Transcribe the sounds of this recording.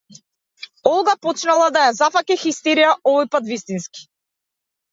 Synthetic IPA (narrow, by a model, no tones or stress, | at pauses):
ɔlˠɡapɔt͡ʃnalˠad̪ajazafakixist̪ɛɾijaʔɔvɔjpat̪vist̪inski̥